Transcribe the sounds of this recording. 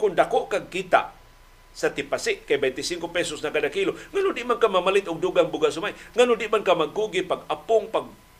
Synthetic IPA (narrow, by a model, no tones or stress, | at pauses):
kʊndakoʔkaɡ̚kit̪a̰ʔ | sat̪ipasɪʔkajbejnt̪ɪsiŋkopesosnakadakiloŋanʊdɪʔmankamamalɪt̪ʊɡ̚duɡaŋbuɡaʔsʊmajŋanʊdɪʔmankamaɡkuɡipaɡapʊŋpaɡ̚